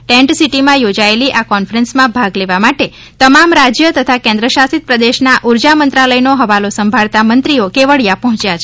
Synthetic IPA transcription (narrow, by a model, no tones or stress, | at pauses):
ʈɛ̃ɳʈsiʈimãjod͡ʒaeliʔakɔnfɾɛ̃nsmãbʱaɡleʋamaʈe | t̪əmamɾad͡ʒjət̪ət̪ʰakɛ̃nd̪ɾəʃasit̪̚pɾəd̪eʃnaʔuɾd͡ʒamənt̪ɾaləjnoɦəʋalosəmbʱaɭt̪amənt̪ɾiokeʋəɭjapɔɦɔ̃t͡ʃjat͡ʃʰ